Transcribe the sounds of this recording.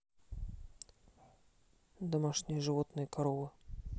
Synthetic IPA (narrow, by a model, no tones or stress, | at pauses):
d̪ɔmaʂnʲɛjʐɨvɔt̪nɨjkaɾɔvɨ